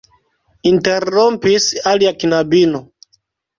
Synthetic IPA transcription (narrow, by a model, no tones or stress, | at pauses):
inteɾompisaliakinabino